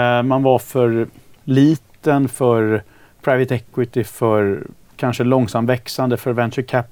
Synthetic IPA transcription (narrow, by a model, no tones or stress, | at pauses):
manvaɾfœɾɭiːt̪ənfœɾ | pʰɾaɪvət̪ɛkwɪt̪ɪfœɾ | kʰanʂəlɔŋsamvɛksand̪əfœɾvɛnt͡ʃəkʰæp